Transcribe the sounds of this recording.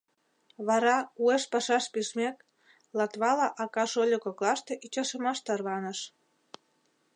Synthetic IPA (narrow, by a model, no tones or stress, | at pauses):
βɑɾɑueʃpɑʃɑʃpiʃmek | lɑt̪βɑlɑʔɑkɑʃolʲokoklɑʃt̪eʔit͡ɕɑʃəmɑʃt̪ɑrβɑnəʃ